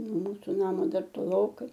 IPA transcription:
noː ˈmuːsʊ ˈnɑːmoː ˈdɐr toːˈlˠoːkɐɪ

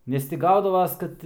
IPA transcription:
ˈnʲɛs tʲɪ ˈɡɐʊdɐʋɐs ˈkɐt

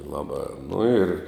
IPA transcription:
ˈlˠɑːˌbɑː nʊ ɪr

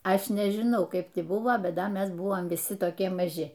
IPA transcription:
ˈɐʃ nʲɛʒʲɪˈnɐʊ ˈkɐɪp tʲɪ ˈbʊʋoː ˈbʲɛt ˈdɐ ˈmʲɛs ˈbʊʋoːm ʋʲɪˈsʲɪ toːˈkʲiɛ mɐˈʒʲɪ

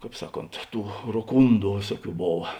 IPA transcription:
ˈkɑːp ˈsɑːˌkoːnt ˈtuː roːˈkuːndʊ ˈʋʲeːsuɔˌkʲuː ˈboːʋɐ

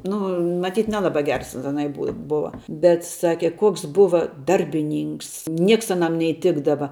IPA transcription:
ˈnʊ mɐˈtʲiːt ˈnʲæːlˠɐbɐ ˈɡʲɛrs ɐˈnɐɪ ˈbʊ ˈbʊɐ bʲɛt ˈsɑːkʲɛ ˈkoːks ˈbʊʋɐ ˈdɐrʲbʲɪˌnʲiːŋks ˈnʲiɛks ɐˈnɐm nʲɛɪˈtʲɪɡdɐʋɐ

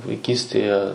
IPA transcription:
ʋɐɪˈkʲiːsʲtʲeːjɛ

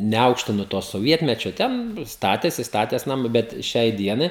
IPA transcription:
nʲɛˈɐʊkʃʲtʲɪnʊ toː soːˈʋʲiɛtʲmʲɛt͡ʃʲoː ˈtʲɛn ˈstɑːtʲeːsʲɪ stɐˈtʲeːs nɐˈmʊ ˈbʲɛt ˈʃʲɛɪ ˈdʲiɛnɐɪ

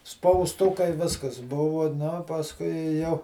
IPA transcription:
spɐʊsˈtʊkɐɪ ˈʋʲɪskɐs ˈbʊʋʊ nʊ pɐsˈkʊɪ ɪ jɛʊ

